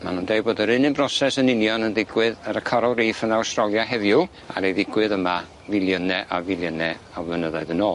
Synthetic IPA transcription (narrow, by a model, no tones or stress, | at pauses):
manundejboːdəɾɨnɨmbrɔsɛsənɪnjɔnənðɪɡwɪðəɾəkʰɔɾɔlˠriːfənawstrɔlˠjahɛðjʊ | a̰ɾejðɪɡwɨðəma | vɪlˠjənɛʔavɪlˠjənɛavlˠənəðaɨðənoː